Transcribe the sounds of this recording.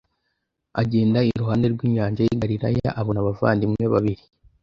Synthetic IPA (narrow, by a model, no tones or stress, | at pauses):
aɟe̞ːndaiɾuhaːnde̞ɾɡwiːɲaːɲʒajiɡaɾiɾa̰ja̰ʔaβonaβava̰ːndimŋe̞βaβiɾi